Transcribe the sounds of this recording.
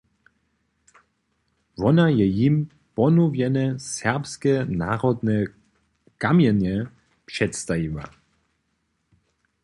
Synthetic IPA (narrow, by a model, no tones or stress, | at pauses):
ʋɔnajɛjim | pɔnuvjɛnɛsɛʁpskɛnaːʁɔd̪nɛ | kamjɛnjɛ | pʂɛt̪st̪ajiva̰